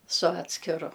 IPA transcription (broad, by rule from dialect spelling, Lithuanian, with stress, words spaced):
sʊ ˈɑːtʲsʲkʲɪrʊ